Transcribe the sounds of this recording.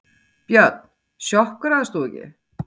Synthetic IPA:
pjœt̪̚n | ʃjɔhkɾaðst̪uːcɪ̰

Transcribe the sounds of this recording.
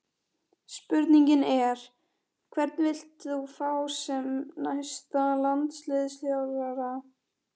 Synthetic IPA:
spʏɾt̪niɲcɪnɛɾ̥ | kʰvɛɾt̪nvɪl̥t̪θufawsɛmnajst̪alant̪slɪːðɪsθjawɾvɛɾa

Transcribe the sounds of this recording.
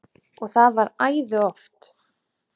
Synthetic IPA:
ɔɣθaðvaɾaːjðʏɔft̪

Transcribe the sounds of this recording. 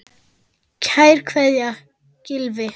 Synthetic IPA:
cʰaːjɾ̥kʰvɛðja | cɪlvɪ

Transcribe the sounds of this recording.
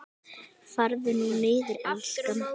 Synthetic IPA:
faɾðɪnunɪːðɪɾalskam

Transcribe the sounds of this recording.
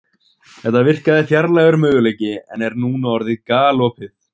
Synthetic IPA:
θɛht̪ːavɪr̥kaðɪθjaɾlaːɣʏɾmœːɣʏleːjcɪɛ̰nɛɾnuːnaɔɾðɪðkaːlɔːpɪθ

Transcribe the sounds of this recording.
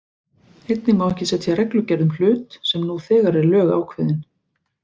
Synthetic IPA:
hejt̪nɪmawɛhcɪsɛt̪iarɛklʏcɛɾðʏml̥ʏːt̪sɛmnuθɛːɣaɾɛɾlœːɣa̰ːwkʰvɪðɪn

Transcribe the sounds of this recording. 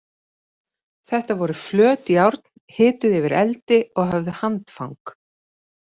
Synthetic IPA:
θɛht̪avɔɾʏflœːt̪iawɾt̪n̥hɪːt̪ʏðɛvɪɾɛ̰lt̪ɪɔɣɦavðʏhant̪fa̰wŋk

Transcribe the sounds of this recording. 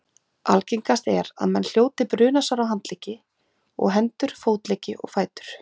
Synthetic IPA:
alcejŋkast̪ɛɾa̰ðmɛnl̥joːwt̪ɪpɾʏːnasaɾawɦant̪leːcɪ | ɔ̰ɣɦɛnt̪ʏɾ̥foːwt̪lecɪʔɔ̰ɣfaːjt̪ʏ̥ɾ̥

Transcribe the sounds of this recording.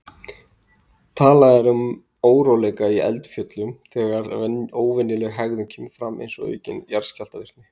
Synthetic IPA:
t̪ʰaːlaðɛɾʏm | oːwɾowlɛːjkaiɛ̰lt̪fjœt̪lʏmθɛɣaɾɛoːwvɛnːɪlɛɣɦaɣðʏmcʰɛːmfɾamḛjnsɔɣœ̰ɥcɪ̰njaɾ̥scalt̪avɪr̥t̪nɪ

